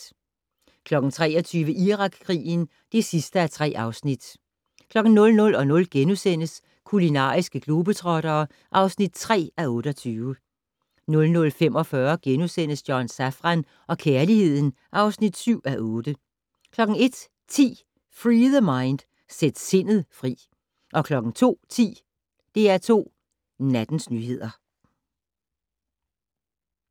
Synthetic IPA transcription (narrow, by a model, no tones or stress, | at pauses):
kʰlɒ̽ɡ̥n̩t͡sʰʁɛ̰ːɒ̽t͡sʰyːʋəʔiʁɑ̈ɡ̥kʰːʁḭːn̩ | d̥e̝sisd̥əæɐt͡sʰʁɛ̰ːʔɑ̈ʊsnid̥ | kʰlɒ̽ɡ̥n̩nɔ̽lnɔ̽lɒ̽nɔ̽lɡ̥enusen̰əs | kʰulinɑ̰̈ːisɡ̥əɡ̥lo̝ːb̥ət͡sʰʁɒ̽ɾ̥ɐː | ʔɑ̈ʊsnid̥̚t͡sʰʁɛ̰ːæɔ̽ːɾ̥ɒt͡sʰyːʋə | nɔ̽lnɔ̽lfem̰ɒ̽fɶɐɡ̥enusen̰əsd̥jɒnsæfʁɑn | ʔɒ̽kʰeɐlihe̝ð̰ˠn̩ | ʔɑ̈ʊsnid̥syʊ̰æʔɔ̽ːd̥ə | kʰlɒ̽ɡ̥ŋ̩e̝d̥ | t͡sʰḭː | fʁiːðˠəmɑ̈ɪnd̥ | sed̥se̝n̰ð̩ˠfʁḭː | ʔɒ̽kʰlɒ̽ɡ̥ŋ̩t͡sʰo̝̰ːt͡sʰḭː | d̥e̝æɐt͡sʰo̝̰ː | næd̥n̩snyːhe̝ð̰ˠɐ